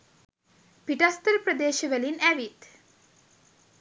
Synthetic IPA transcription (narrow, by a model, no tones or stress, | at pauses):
piʈast̪əɾpɾəd̪eːʃəʋəlinæʋit̪